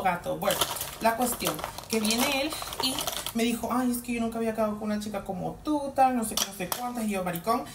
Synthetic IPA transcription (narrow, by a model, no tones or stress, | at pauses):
ɣat̪obwenolakwest̪joŋkeβjeneelimeðixoʔajeskejonuŋkaβiakaðokunat͡ʃikakomo̰t̪ut̪alnosekenosekwant̪ahiomaɾikoŋ